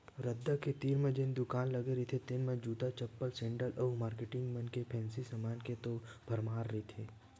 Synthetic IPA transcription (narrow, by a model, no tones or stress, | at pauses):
ɾɐd̪ːaket̪iːɾmẽd͡ʒɪnd̪ʊkaːnlɐɡeɾit̪ʰet̪ɪnmẽd͡ʒuːd̪at͡ʃɐpːəlsɛ̃ːɳɖəlʔɔːmaːɾkeʈɪŋɡmənkepʰɛ̃ːnsisəmaːnket̪obʱɐɾmaːɾːit̪ʰeː